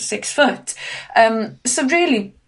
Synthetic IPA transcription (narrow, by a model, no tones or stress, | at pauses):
sɪksfʊtəmsoʊɹɪːəli